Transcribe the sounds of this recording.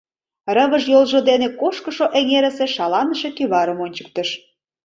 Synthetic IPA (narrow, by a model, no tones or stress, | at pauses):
rəβəʃjolʒod̪enekoʃkəʃoʔeŋeɾə̆seʃɑlɑnəʃekyβɑɾəmonʲt͡ɕə̥k̚t̪əʃ